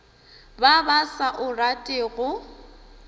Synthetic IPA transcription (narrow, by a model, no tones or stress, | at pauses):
babasaʔʊratʼɪːɣʊ